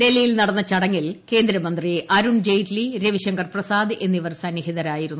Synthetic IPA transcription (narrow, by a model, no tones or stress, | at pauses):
d̪elːijilnɐɽɐnːɐt͡ɕɐɽɐŋːilke̞ːnd̪ɾɐmɐnd̪riʔɐɾuɳd͡ʑejʈliɾeʋiɕɐŋɡɐrprɐsaːd̪ɨʔe̞nːiʋɐrsɐnjɐɦiðɐɾaːjiɾunːu